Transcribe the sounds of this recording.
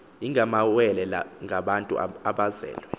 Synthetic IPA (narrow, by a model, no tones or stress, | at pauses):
iŋɡʱamawɛlɛla̰ŋɡʱaɓantʼṵaɓazɛ̰ːlwɛ